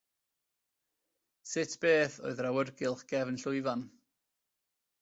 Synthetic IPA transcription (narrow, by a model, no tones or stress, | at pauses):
sɪtʰb̥eːθo̰ɨðrawərɡɪlˠχɡ̥ɛvnɬʊɨvan